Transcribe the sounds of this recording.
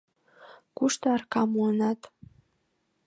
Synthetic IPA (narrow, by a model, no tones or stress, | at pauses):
kuʃt̪ɤɑrkɑmuənɑt̪